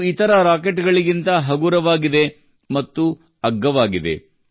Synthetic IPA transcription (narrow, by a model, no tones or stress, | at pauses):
it̪ɐɾɐɾaːkeʈɡɐɭiɡint̪ɐɦɐɡuɾɐʋaːɡid̪e̞ | mɐt̪ːu | ɐɡːɐʋaːɡid̪e̞̰